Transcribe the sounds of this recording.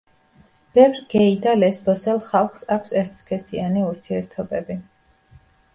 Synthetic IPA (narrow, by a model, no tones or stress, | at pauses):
b̥ɛvɾɡ̥ɛid̪alɛsbɔsɛlˠχalˠχsakʰʷsɛɾt̪ʰskʰɛsianiuɾt̪ʰiɛɾt̪ʰɔbɛbi